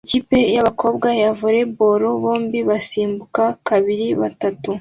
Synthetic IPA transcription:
eciːpe̞jaβakʰo̞ːbɡwajavuɾe̞bo̞ɾoβo̞ːmbiβasiːmbukakaβiɾiβa̰tatu

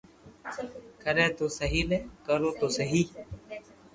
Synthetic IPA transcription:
kʰəɾɛ̃ːt̪oːsəɦiːlɛ̃ːkəɾõːt̪oːsəɦiː

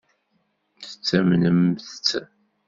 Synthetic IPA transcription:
θə̥t͡sːæmnəmθt͡sː

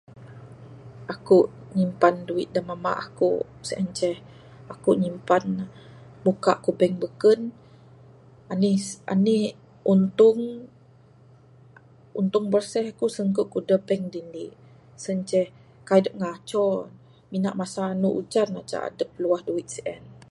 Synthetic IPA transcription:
ʔakuʔ | ɲimpanduit̪̚dəmama̰ʔakṵsəʔənt͡ʃɛh | akuʔɲimpan | bukaʔkubɛŋbəkən | ania̰nih | unt̪uŋ | unt̪ʊŋbərsɛhakusəŋkuʔkudəbɛŋdiniʔ | sənt͡ʃɛh | kajdəp̚ŋat͡ʃɔn | minaʔmasaːnuʔut͡ʃanat͡ʃa̰ʔa̰dəp̚luahduit̪̚səʔɛn

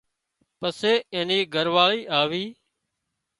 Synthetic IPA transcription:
pəseːẽːniːɡʱəɾʋaːɭiːʔaːʋiː

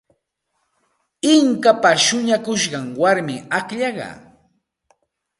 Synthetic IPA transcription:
ɪŋkapaʃʊɲakʊʃɢɑŋwaɾmɪakʎɑɢɑ̰

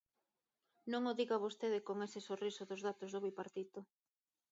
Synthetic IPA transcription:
nõŋoðiɣaβost̪eðɪkoŋesɪsorisoðozðat̪ozðoβipaɾt̪it̪ʊ

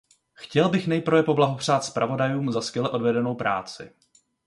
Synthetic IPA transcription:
xcɛlbɪxnɛjpɾ̩vɛpo̞blaɦo̞pr̝̥aːt̪spɾavo̞dajuːmzaskjɛlɛʔo̞dvɛdɛno̞wpɾa̰ːt͡sɪ̰

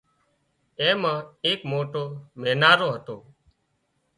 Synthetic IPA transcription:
ẽːmãːeːkmoːʈoːmẽːnaːɾoːɦət̪oː

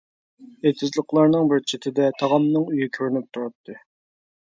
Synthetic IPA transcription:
et̪ʰɪzlˠəqlˠɑɾnɨŋbɪɾt͡ʃʰɪt̪ʰɪd̪ɛt̪ʰɑʁɑmnɨŋyjikʲʰøɾnyp̚t̪ʰuɾɑt̪ʰːɨ

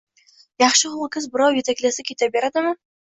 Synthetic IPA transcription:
jɑχʃəʁʊlˠkʰʲɪzbɨɾɑwjet̪æklʲesɪkʲʰet̪æbeɾæd̪ɪmə

